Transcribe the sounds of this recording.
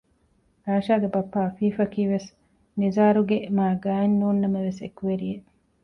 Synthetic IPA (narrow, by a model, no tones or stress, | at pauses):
ɾaːʃaːɡebɐpːaːɐfiːfɐkiːʋes | nizaːɾuɡemaːɡaːenːuːnːɐmɐʋesḛkuʋeɾijeʔ